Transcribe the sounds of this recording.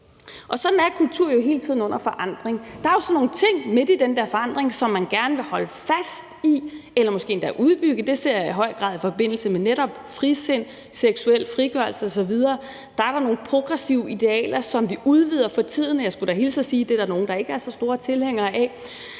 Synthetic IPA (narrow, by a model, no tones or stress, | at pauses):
ʔɒ̽sɒ̽d̥n̩æɐkʰult͡sʰuɐ̰jo̝ɦe̝̰ːlət͡sʰið̞̰ˠn̩ɔ̽n̰ɐfɒ̽ʔɑ̈n̰d̥ʁeŋd̥ɑ̈ɐjo̝sɒ̽nːo̝ːn̩t͡sʰe̝ŋ̰me̝d̥id̥end̥eɐfɒ̽ɑ̈n̰d̥ʁeŋsɒ̽mːænɡ̥æɐnəʋe̝hɒ̽ləfæsd̥ielɐmɔsɡ̥e̝̰ːnd̥æʔuð̞ˠb̥yɡ̥əd̥e̝se̝ɐ̰jiɦɒ̽ɪ̰ɡ̥ʁɑ̈ðˠifɒ̽b̥e̝n̰l̩səmeneɾɒ̽b̥fʁise̝n̰ | seɡ̥suel̰fʁiɡ̥ɶɐlsəɒ̽sɒ̽ʋið̞ˠɐː | d̥ɑ̈æɐɾɑ̈no̝ːn̩pʰʁo̝ɡ̥ʁɛsiʊid̥e̝ɛ̰ːlɐsɒ̽mʋiuð̞ˠʋið̞̰ˠɐfɒ̽t͡sʰið̞̰ˠnjɑ̈ɪsɡ̥uɾ̥æhe̝ːlsɒsiːd̥e̝d̥æɐno̝ːn̩d̥ɑ̈e̝ɡ̥əæɐsɒ̽sd̥o̝ːɐt͡sʰe̝lheŋ̰ɐːʔɛ